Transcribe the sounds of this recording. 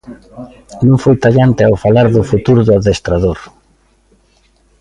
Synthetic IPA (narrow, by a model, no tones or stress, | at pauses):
nõŋfojt̪aʎant̪ɪawfalaɾðʊfut̪uɾʊðʊaðest̪ɾaðoɾ